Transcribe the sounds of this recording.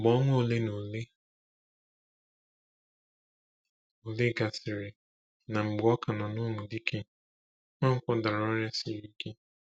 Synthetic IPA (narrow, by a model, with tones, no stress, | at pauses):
ɡ͡bɔ˦ɔ˦ŋʷʊ˦o˨le˦no˨le˦ | o˨le˦ɡa˨sɪ˨ɾɪ˨ | na˨ŋ͡m̩˨ɡ͡bɔ˦ka˨na˨nʊ˦ŋʊ˨di˦kʰe˦ | ŋa˦ŋ̩˦kʷɔ˦da˨ɾɔ˦ɾɛ˦si˨ɾi˦ke˦